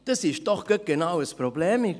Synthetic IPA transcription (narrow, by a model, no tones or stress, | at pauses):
d̥əsɪʃd̥ɔχɡ̥əɡ̥enawəspɾoblɛːmi